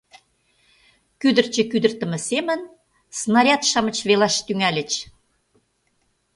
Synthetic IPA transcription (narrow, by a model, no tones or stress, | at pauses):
kyd̪ə̆rt͡ɕə̆kyd̪ə̆rt̪ə̆mə̆semə̆n | snɑɾʲɑt̪ʃɑmə̆t͡ɕβelɑʃt̪yŋælʲə̆t͡ɕ